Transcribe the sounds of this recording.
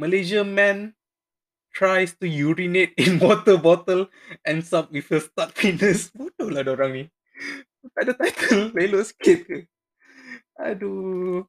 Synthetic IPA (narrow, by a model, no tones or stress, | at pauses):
məled͡ʒəmɛ̃n | tʰɹajstujuɹinet̚ĩnwɔtəbɔtəl | ʔɛ̃nsap̚wifəstat̚finəsbotoladɔɹãŋmi | ukadətajtʰəlleloskʰet̚kə | a̰du